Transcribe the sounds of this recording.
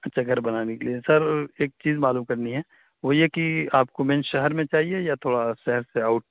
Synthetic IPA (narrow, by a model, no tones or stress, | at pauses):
ɐtːʃʰaɡɐɾbɐnaːnekeliesɐɾeːk̚t͡ʃiːzmaːluːmkɐɾniɦɛː | ʋojekiaːpkomẽnʃɛɦəɾmẽt͡ʃaːɦiejat̪ʰoːɽaʃɛɦɛɾseaːʊʈ̚